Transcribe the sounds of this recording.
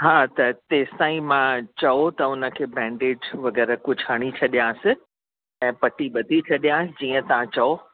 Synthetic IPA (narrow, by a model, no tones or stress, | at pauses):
ɦaːt̪ɐt̪eːsãːĩmãt͡ɕɐot̪ɐʊnə̆kʰeːbɛ̃ːɳɖeːd͡ʑʋɐɡɛːɾəkʊd͡ʑʱʰaːɽ̃it͡ɕʰɐɗijãsɪ | ɛ̃ːpɐʈiɓɐd̪ʱit͡ɕʰɐɗijãd͡ʑiːə̃t̪ɐʋãt͡ɕɐo